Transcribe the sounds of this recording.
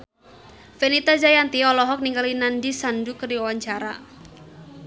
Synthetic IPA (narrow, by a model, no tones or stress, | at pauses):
fenit̪ad͡ʒajant̪iɔlɔɦɔk̚niŋɡalinandisandukərdiɔwaɲt͡ʃaɾa